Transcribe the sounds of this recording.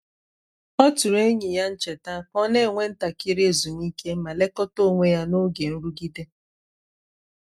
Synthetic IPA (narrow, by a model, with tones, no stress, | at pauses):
ɔ˦tʊ˨ɾe˦ɲi˨ja˦n̩˦t͡ʃe˨ta˦kɔ˦ne˦˨ŋʷe˦n̩˦ta˨kɪ˦ɾe˨zu˨mi˦ke˦ma˨le˦kɔ˦to˦˨ŋʷe˦ja˦no˦ɡe˨n̩˦ɾu˦ɡi˦de˦